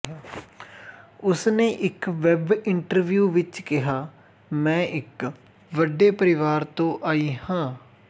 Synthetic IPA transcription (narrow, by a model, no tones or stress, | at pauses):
ʊsnẽːʔɪkʋɛbɪɳʈəɾʋjuːʋɪt͡ʃkɪɦaː | mɛ̃ːʔɪk | ʋəɖeːpəɾɪʋaːɾt̪õːʔaːiːhãː